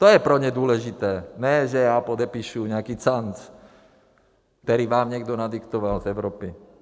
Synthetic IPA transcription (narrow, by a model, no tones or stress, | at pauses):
t̪ɔjɛpɾɔɲɛd̪ʊɔlɛʒit̪ɛːnɛʒɛjaːpɔd̪ɛpiʃuːɲɛakiːt͡sant͡s | kt̪ɛɾiʋaːmɲɛɡd̪ɔnad̪ikt̪ɔʋalzɛʊɾɔːpi